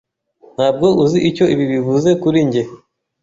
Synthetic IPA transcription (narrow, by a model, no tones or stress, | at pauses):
n̥haːb̚ɡo̞ʔuziʔico̞iβiβivuze̞kuɾiɲɟe